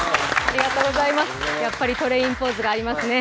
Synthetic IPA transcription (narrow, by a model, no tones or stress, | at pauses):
aɾʲiɡat̪o̞ːɡo̞zaimasɨ̥japːaɾʲit̪o̞ɾe̞ĩmpo̞ːzɨɡaːɾʲimasɨne̞